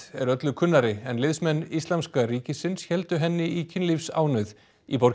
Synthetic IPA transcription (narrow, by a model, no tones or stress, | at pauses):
ɛɾœt̪lʏkʰʏnːaɾɪɛnlɪðsmɛnːist̪lamskaɾiːcɪsɪnsçɛlt̪ʏɦɛnːɪicʰɪnlifsa̰ːwnʏð | ipoɾ